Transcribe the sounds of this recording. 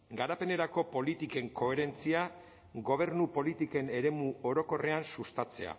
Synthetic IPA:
ɡaɾape̞ne̞ɾako̞po̞lit̪ike̞ŋko̞e̞ɾe̞nt͡sia | ɡo̞β̞e̞ɾnupo̞lit̪ike̞ne̞ɾe̞muo̞ɾo̞ko̞re̞ansust̪at͡se̞̰a̰

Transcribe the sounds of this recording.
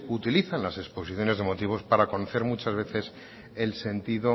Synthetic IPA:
ut̪iliθanlase̞kspo̞siθjo̞ne̞zðe̞mo̞t̪iβ̞o̞spaɾako̞noθe̞ɾmut͡ʃazβe̞θe̞s | e̞lse̞nt̪iðo

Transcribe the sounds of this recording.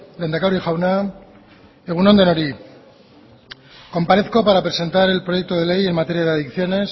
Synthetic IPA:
lend̪akawɾixawna | eɣuno̞nd̪e̞no̞ɾi | ko̞mpaɾe̞θkopaɾapɾe̞se̞nt̪aɾe̞lpɾo̞je̞k̚t̪oðe̞le̞je̞mat̪e̞ɾjaðeaðikθjo̞ne̞s

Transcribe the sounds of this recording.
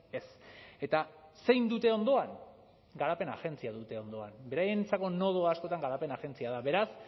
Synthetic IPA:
e̞se̞t̪ase̞jnd̪ut̪e̞o̞nd̪o̞aŋ | ɡaɾape̞na̰ɣe̞nt͡siaðut̪e̞o̞nd̪o̞a̰nbe̞ɾajent͡sako̞no̞ð̞oasko̞t̪aŋɡaɾape̞naɣe̞nt͡siaðaβe̞ɾas

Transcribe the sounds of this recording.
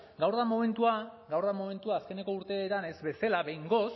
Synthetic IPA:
ɡawɾðamome̞nt̪uaɡawɾðamome̞nt̪uaːske̞ne̞ko̞uɾt̪e̞ːɾane̞zbe̞salaβe̞jŋɡo̞s

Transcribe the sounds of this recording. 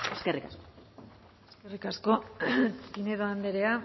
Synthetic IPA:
eskerikasko | eskerikasko̞ | pineðoand̪eɾe̞a

